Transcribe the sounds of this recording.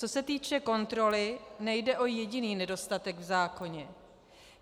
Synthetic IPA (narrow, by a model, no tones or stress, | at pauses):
o̞sɛt̪iːt͡ʃɛko̞nt̪ɾo̞lɪnɛjdɛʔo̞jɛɟɪniːnɛdo̞st̪at̪ɛɡvzaːko̞ɲɛ